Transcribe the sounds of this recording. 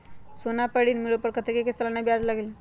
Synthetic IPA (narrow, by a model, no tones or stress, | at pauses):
sonapəɽinmilopəɾkət̪ʰekeket͡səlanabjad͡zlaɡel